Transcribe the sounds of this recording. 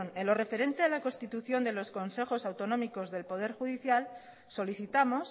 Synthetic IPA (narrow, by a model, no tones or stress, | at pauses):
nelo̞re̞fe̞ɾe̞nt̪ealako̞st̪it̪uθjo̞nd̪e̞lo̞sko̞nse̞xo̞sawt̪o̞nomikozðe̞lpo̞ðe̞ɾxuð̞iθjal | so̞liθit̪amo̞s